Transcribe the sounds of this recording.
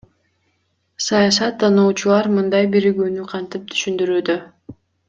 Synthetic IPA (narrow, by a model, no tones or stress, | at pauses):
sɑjɑsɑt̪ːɑnuːt͡ʃulˠɑɾmɯnd̪ɑjbiɾiɡyːnyqʰɑnt̪ip̚t̪ʰy̥ʃynd̪yɾyːd̪ø